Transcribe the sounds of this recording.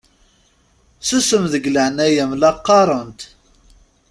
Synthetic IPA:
səsəmðəɡləʕnæjæmlɑqːɑɾˤənt̪

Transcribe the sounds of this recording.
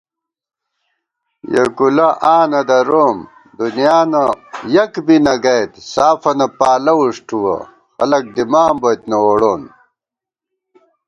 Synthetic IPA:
jɐ̰kulɐʔaːnɐd̪ɐɾoːm | d̪unjaːnɐjɐkbinɐɡɐjt̪saːfɐnɐpaːlɐwuʂʈuwɐ̰ | xɐlɐk̚d̪imaːmbot̪nɐwoɽoːn

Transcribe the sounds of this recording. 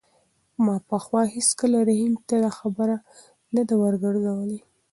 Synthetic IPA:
mɑpəxwɑheskəlaɾahimt̪ad̪axabəɾa | nad̪awəɾɡaɽzawəle

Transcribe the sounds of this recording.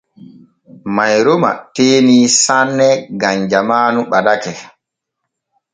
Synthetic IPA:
majɾoma̰teːniːsanːɛɡaɲd͡ʒamaːnuɓadakɛ

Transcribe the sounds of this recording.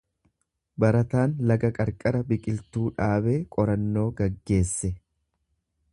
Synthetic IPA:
bɐɾɐt̪aːnlɐɡɐkʼɐɾkʼɐɾɐbɪkʼɪlt̪uːᶑaːbe̞ːkʼɔɾɐnːo̞ːɡɐɡːe̞ːsːɛ

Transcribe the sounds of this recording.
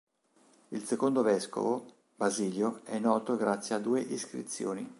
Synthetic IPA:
ilsekond̪ovɛsko̰vo | baziːljoɛnːɔːt̪oɡɾat̪sːjead̪ːuːeʔiskɾḭt̪sjo̰ːni

